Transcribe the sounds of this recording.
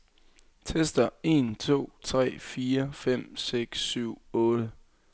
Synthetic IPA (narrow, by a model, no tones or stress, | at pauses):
t͡sʰesd̥ɐe̝nt͡sʰo̝̰ːt͡sʰʁɛ̰ːfiːɐfem̰seɡ̥sːyʊ̰ɔ̽ːd̥ə